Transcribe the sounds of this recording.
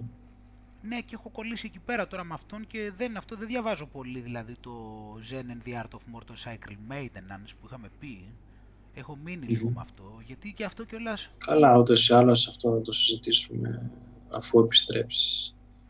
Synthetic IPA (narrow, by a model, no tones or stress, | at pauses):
ne̞cexo̞ko̞lisie̞cipe̞ɾɐt̪o̞ɾɐmɐft̪o̞nce̞ðenɐft̪o̞ðeðʝɐvɐzo̞po̞liðilɐðit̪o̞zenenðiɐɾt̪ofmoɾt̪osɐjkɾelmejd̪enɐnspuixɐme̞pi | e̞xo̞minilipomɐ̰ft̪o̞ʝɐt̪iceɐft̪oceo̞lɐskɐlɐut̪osialoɐsɐft̪oθɐt̪o̞sizit̪isumḛ | ɐ̰fue̞pi̥st̪ɾe̞̰psi̥s